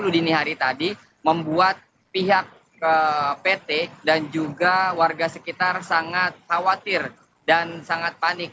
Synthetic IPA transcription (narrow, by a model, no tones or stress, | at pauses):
ludiniɦaɾit̪adi | məmbuat̪̚ | piɦak̚ | əpet̪edand͡ʒuɡawarɡasəkit̪arsaŋat̪̚hawat̪ɪr | dansaŋat̪̚panɪk̚